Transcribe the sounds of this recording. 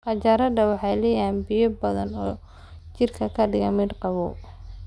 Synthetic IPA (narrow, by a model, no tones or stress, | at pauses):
qɑt͡ʃɐɾɐd̪ɐwɑħɑjlɛːjaːnbɪjɔbɐðɐnɔː | t͡ʃɪrkʰɐkʰɐɖɪɣɐmɪd̪qɑβɔː